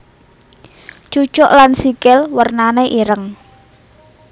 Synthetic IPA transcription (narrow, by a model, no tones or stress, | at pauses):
t͡ʃu̥t͡ʃɔʔlansikɪlwərnaneʔiɾəŋ